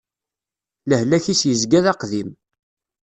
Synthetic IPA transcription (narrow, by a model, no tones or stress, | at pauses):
ləhlæçisjəzɡæðɑqðim